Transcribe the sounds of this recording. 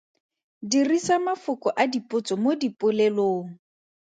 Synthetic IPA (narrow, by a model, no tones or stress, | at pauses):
dirisamafʊkɔʔadipʼʊt͡sʼɔmodipʼʊleloːŋ̩